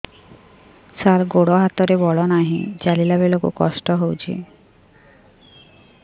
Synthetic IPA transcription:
saɾɡoɽɔɦat̪ɔɾebɔɭɔnaɦḭ̃d͡ʒalilabelokṵkɔ̰sʈɔɦowt͡ʃʰḭ

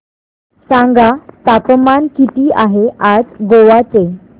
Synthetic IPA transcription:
sãŋɡat̪apəmankit̪iːaɦead͡zɡoʋat͡se

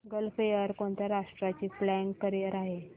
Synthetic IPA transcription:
ɡəlfejəɾkoɳt̪aɾaʂʈɾat͡ɕiːplæɳkːəɾiəɾaɦe

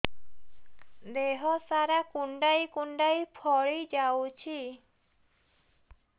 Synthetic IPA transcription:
d̪eɦɔsaɾakuɳɖajkuɳɖajpʰɔɭid͡ʒawt͡ʃʰi

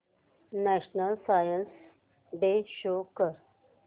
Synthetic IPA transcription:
naʃnəlsaːjəns | beʃokəɾ

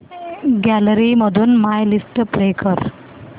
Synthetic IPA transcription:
ɡæləɾiməd̪ʱuːnmajlisʈpɾekʰəɾ

